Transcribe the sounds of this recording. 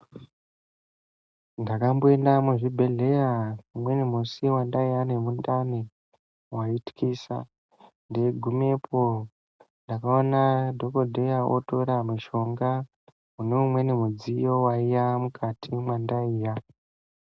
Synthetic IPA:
ndakambo̞endamuʐibʱe̞ɮe̞jaumwe̞nemusiwandaijanemundane | waiti̥kisa̰ | ndeɡʱume̞pʰo | ndakaonadʱo̞ko̞dʱe̞jaʔo̰to̞ɾamiʃo̞ŋɡa | uneumwe̞nemud͡zijo̞waijamukʰatʰimwandaiːja

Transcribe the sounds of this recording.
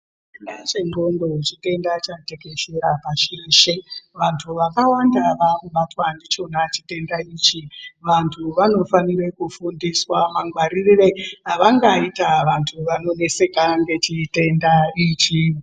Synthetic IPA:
inat͡ʃeŋɡondo̞et͡ʃite̞ndat͡ʃate̞ke̞ʃeɾapaʃiriʃeʋantʰuʋakawandaʋakuɓatwandit͡ʃo̞nat͡ʃite̞ndait͡ʃiʋantʰuʋano̞fanire̞kufundiswamaŋɡwaɾirire̞aʋaŋɡaitaʋantʰuʋano̞ne̞se̞kaŋɡe̞t͡ʃite̞ndait͡ʃi

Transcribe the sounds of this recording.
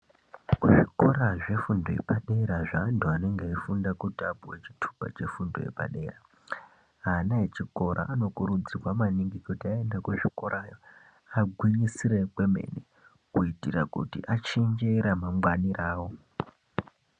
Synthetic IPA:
kuʐiko̞ɾaʐe̞fundojepaɗe̞ɾaʐaːntuane̞ŋɡeifundakutabuwet͡ʃi̥tʰu̥pa̰t͡ʃe̞fundojḛpa̰ɗe̞̰ːra | ɦaːnaɦet͡ʃiko̞ɾʔa̰ʔːno̞kuɾud͡ziwamaniŋɡikutiae̞ndakuʐiko̞ɾʔaːjo̞ | aɡʱwiɲisire̞kwe̞me̞̰ne | kuitirakṵtḭʔat͡ʃend͡ʒe̞ɾamamwaniraːwo̞

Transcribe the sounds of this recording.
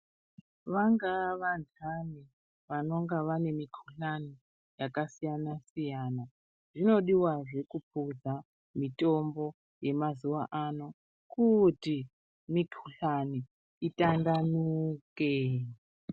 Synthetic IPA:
ʋaŋɡaʋand͡zʰʱani | ʋano̞ŋɡaʋane̞mikʰu̥ɬani | jakasijanasijana | ʐino̞ɗiwaʐe̞kupʰud͡za | mitombo̞ | je̞mazuwaʔano̞ | kuti | mikʰuɬani | itʼandanuke

